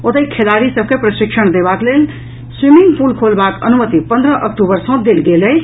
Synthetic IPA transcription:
ot̪əjkʰelaɾisəb̚ʱkepɾəʃikʃʰəɳ̃d̪ebaklel | swimiŋɡpulkʰolbakə̰numət̪ipə̃nd̪ɾəʔək̚ʈubəɾsə̃d̪elɡelej

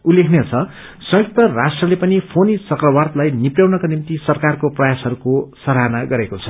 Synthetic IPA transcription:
ulːekʰnet͡sʰʌ | sʌ̃jok̚t̪ʌrasʈrʌlepʌnipʰonit͡sʌkrʌwart̪lajnipjawnʌkanimt̪isʌrkarkoprʌjasɦʌɾukosʌɾɦanaɡʌɾekot͡sʰʌ̥

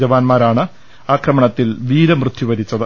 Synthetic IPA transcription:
d͡ʑɐʋaːnmaːɾaːɳɨ | aːkrɐmɐɳɐt̪ːilʋiːɾɐmrɨt̪ʰjiʋɐɾit͡ɕːɐðɨ

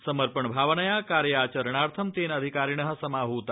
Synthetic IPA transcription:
səməɾpəɳbʱaʋənəjakaɾjəaːt͡ʃəɾəɳaɾt̪ʰəmt̪enəd̪ʱikaɾiɳəɦəsəmaɦut̪

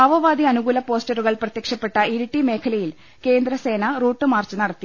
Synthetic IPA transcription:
ɐʋɐʋaːd̪iɐnuɣuːlɐpo̞ːsʈɐruɣɐɭprɐt̪jɐkʂɐpːe̞ʈːɐiɾuʈːime̞ːkʰɐlɐjil | ke̞ːnd̪ɾɐse̞ːnɐruːʈːɨmaːrt͡ɕːɨnɐɽɐt̪ːi

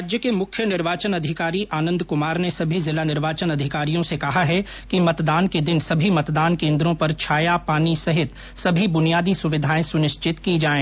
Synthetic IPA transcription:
d͡ʒjəkemʊkʰjənɪɾʋaːt͡ʃənɐd̪ʱɪkaːɾiʔaːnə̃nd̪kʊmaːɾnesɐbʱizɪlanɪɾʋaːt͡ʃənɐd̪ʱɪkaːɾijõsekɐɦaɦɛ | kimɐt̪d̪aːnked̪ɪnsɐbʱimɐt̪d̪aːnkẽːnd̪ɾõpɐɾt͡ʃʰaːjapaːnisɐɦɪt̪ | sɐbʱibʊnijaːd̪isʊʋɪd̪ʱaːẽsʊnɪʃt͡ʃɪt̪kid͡ʒaːẽː

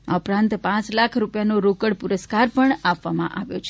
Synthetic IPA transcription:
a̰upɾãnt̪pãt͡ʃlakʰɾupjanoɾokəɽpuɾəskaɾpəɳapʋamã̰ʔaʋjot͡ʃʰ

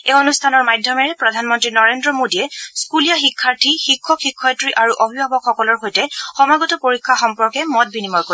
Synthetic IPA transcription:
eonustʰanɔɹmajdʱjɔmɛɹɛpɹɔdʱanmɔntɹinɔɹendɹɔmodijɛskulijaxikʰːaɹtʰixikʰːɔxikʰːɔjtɹiʔaɹuʔobʱibʱabɔkxɔkɔlɔɹxojtɛxɔmaɡɔtɔpoɹikʰːaxɔmpɔɹkɛmɔt̚binimɔɹko

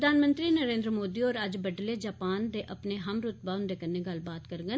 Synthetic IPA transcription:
d̪aːnmə̃nt̪ɾiːnəɾẽːnd̪ɾəmoːd̪iːɔːɾəd͡ʒbəɖleːd͡ʒaːpaːnd̪eːʔəpneːɦəmɾʊt̪̚baːʊnd̪eːkənẽːɡəlbaːt̪kəɾɡən

